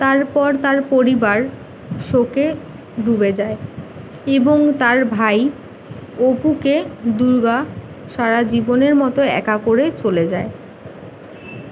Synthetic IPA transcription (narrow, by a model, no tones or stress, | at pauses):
t̪aɾpɔɾt̪aɾpoɾibaɾ | ʃoke | ɖubed͡ʑae | eboŋt̪aɾbʱaj | opuked̪uɾɡa | ʃaɾad͡ʑiboneɾmɔt̪oɛ̰kakoɾet͡ɕoled͡ʑae